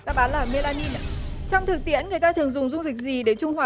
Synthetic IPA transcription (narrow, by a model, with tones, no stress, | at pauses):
t̪aː˧˩ɓaː˨˦nlaː˨˩me˧laː˧ni˧na˦t͡ɕɔ˧wŋ͡mt̪ʰɨ˨˩k̚t̪ḭ˧˥ənŋɨ˨˩əjt̪aː˧t̪ʰɨ˨˩əŋzʊ˨˩ŋ͡mzʊ˧ŋ͡mzi˨˩k̟̚zi˨˩ɗe˧˩t͡ɕʊ˧ŋ͡mhwaː˨˩